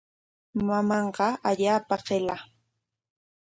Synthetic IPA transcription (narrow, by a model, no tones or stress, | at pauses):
mamɑɴqɑaʎaːpaɢela